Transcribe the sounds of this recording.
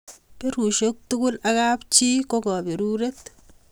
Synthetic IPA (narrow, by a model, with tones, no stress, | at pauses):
pe˦ɾu˨ʃo˦k̚tu˦kʊ˦la˦ka˦pt͡ʃi˦ko˦kɔ˨be˨ɾu˦ɾe˦t